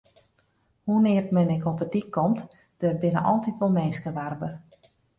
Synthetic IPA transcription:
hunɪːərtmɛnɛkɔpətikʰːɔmt | d̥əbɪnə̰ʔɔ̰lˠtitʋɔlˠmenskəʋarbə

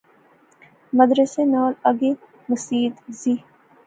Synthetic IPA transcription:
mɐd̪ɾəsenaːlɐɡe | məsiːd̪zi

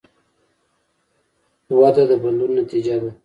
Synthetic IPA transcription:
wad̪ad̪əband̪unːat̪id͡ʒad̪a

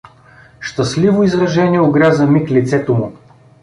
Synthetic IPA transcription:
ʃt̪ɐslivoizɾɐʒɛnʲiɛʊɡɾʲazɐmiklit̪sɛt̪omʊ

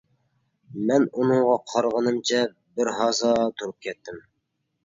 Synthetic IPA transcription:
mɛnunɨŋʁɑqʰɑɾʁənɨmt͡ʃʰɛ | bɪɾɦɑzɑt̪ʰuɾup̚kʲʰɛt̪ʰːɪm

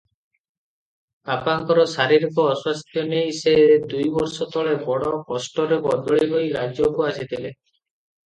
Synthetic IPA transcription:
kapaŋkɔɾɔsaɾiɾikɔːswast̪jɔnejiseed̪ujbɔɾsɔt̪ɔɭebɔɽɔkɔsʈɔɾebɔd̪ɔɽiɦojlaokuasit̪ʰile

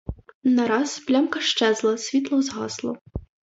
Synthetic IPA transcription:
nɐɾasplʲamkɐʂt͡ʂɛzlˠɐsʲvʲit̪lˠɐzɣa̰slˠɐ̰

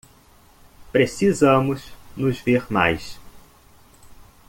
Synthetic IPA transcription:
pɾesizɐ̃mʊsnʊzveɾma̰js

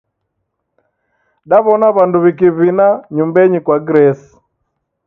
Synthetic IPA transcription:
ɗaβɔnaβanduβik̬iβinaɲumbɛɲikwaɡɾɛsi̥

